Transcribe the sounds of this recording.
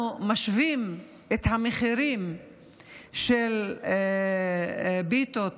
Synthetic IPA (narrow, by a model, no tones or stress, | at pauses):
maʃvim | et̪hameχiɾim | ʃel | bit̪ot